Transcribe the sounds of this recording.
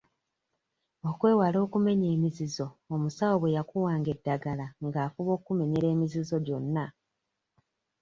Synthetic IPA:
o̞kwe̞ːwalo̞ːkume̞ɲe̞ːmizizo̞omusawoβwe̞jakuwaːŋɡe̞dːaɡalaŋɡaːfuβo̞ːkume̞ɲeɾe̞ːmizizo̞ɟo̞nːa

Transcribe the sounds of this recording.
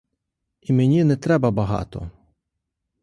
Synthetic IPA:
imenʲinɛt̪ɾɛbɐbɐɦɑ̰t̪ɔ̰

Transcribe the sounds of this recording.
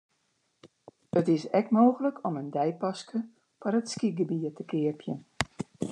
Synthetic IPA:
ətɪsɛkmoːɣələkɔməndɛjpɑskə | farətskiɡəbiətəkɪərpʰjən

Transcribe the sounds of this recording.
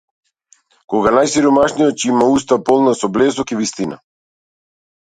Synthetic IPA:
kɔɡanajsiɾɔmaʃnijɔt̪̚cimaust̪apɔlˠnasɔblɛzɔkivist̪ina̰

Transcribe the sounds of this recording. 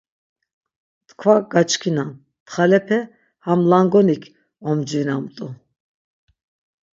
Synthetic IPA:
t̪kʰvaɡat͡ʃʰʼkʰinan | t̪χalɛpʰɛ | hamlaŋɡɔnikʰ | ɔmd͡ʒvinamt̪ʼu

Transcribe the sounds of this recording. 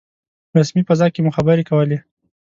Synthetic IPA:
ɾasmipazɑkemuxabəɾekawəle

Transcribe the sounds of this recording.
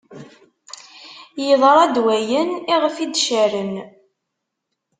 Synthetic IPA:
jəðˤɾˤɑd̪wæjəniʁəfid̪ʃæɾən

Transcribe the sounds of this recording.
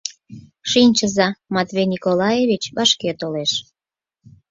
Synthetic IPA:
ʃinʲt͡ɕəzɑmɑt̪βejnikolɑjeβit͡ɕβɑʃket̪oleʃ

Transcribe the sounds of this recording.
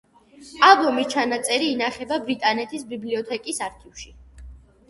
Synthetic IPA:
alˠbɔmit͡ʃʰanat̪sʼɛɾiːnaχɛbabɾit̪ʼanɛt̪ʰisbibliɔt̪ʰɛkʼisaɾkʰifʃi

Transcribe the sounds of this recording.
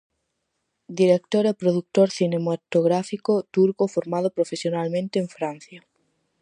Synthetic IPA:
d̪iɾek̚t̪oɾepɾoðuk̚t̪oɾθinemat̪oɣɾafikot̪uɾkofoɾmaðopɾofesjonalmẽnt̪eːɱfɾan̟θja

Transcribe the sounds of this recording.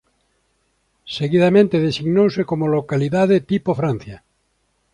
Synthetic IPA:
seɣiðamẽnt̪eðesiɣnowsekomolokaliðaðet̪ipofɾãn̟θja

